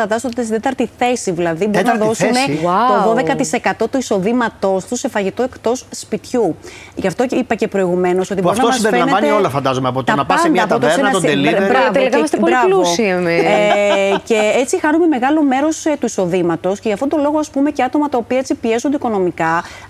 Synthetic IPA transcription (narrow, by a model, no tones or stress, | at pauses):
ɐnd̪ɐst̪ot̪sid̪e̞t̪ɐɾt̪iθe̞siðilɐðibo̞ɾinnɐɐðo̞sume̞wat̪oðo̞ðe̞kɐt̪ise̞kɐt̪o̞t̪uiso̞ðimɐt̪o̞st̪use̞fɐʝit̪o̞e̞kt̪o̞sspit̪çu | ʝɐft̪o̞ipɐce̞pɾo̞iɣume̞no̞so̞t̪ibɾinoɐmɐseɾfelɐnevɐneolɐfɐnd̪ɐzomeɐpot̪ɐnɐpɐsɐnd̪ɐɐpooesod̪elibɾɐvt̪elikɐɐst̪epoɾɐlusieme | ce̞et͡sixɐnume̞me̞ɣɐlo̞me̞ɾo̞st̪uiso̞ðimɐt̪o̞sce̞ʝɐft̪ot̪olo̞ɣoɐspume̞ceɐt̪o̞mɐt̪ɐopiɐet͡sipie̞zund̪iko̞no̞mikɐ